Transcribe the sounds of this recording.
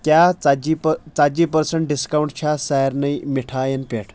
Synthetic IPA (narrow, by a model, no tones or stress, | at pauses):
kjaad͡ʑipt͡sad͡ʑipəɾsəɳʈ̚ɖiskawɳʈ̚t͡ɕʰasaɾnəjmiʈʰajenpeʈʰ